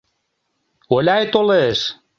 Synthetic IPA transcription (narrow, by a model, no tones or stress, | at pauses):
olʲæjt̪oleːs